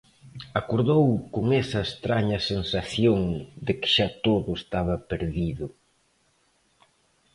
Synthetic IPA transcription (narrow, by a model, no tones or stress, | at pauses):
akoɾðowkoŋɛsɐest̪ɾaɲɐsensaθjoŋd̪ɪkɪ̥ʃat̪oðʊest̪aβɐpeɾðiðʊ